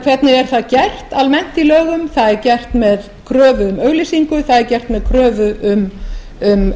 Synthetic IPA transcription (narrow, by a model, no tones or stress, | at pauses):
kʰvɛt̪nɪɛɾ̥θaðcɛr̥t̪almɛn̥t̪ilœːɣʏmθaðɛɾcɛr̥t̪mɛð | kʰɾœːvʏʏmœːɣlɪsiŋkʏθaðɛɾcɛr̥t̪mɛðkʰɾœːvʏʔʏm | ʏm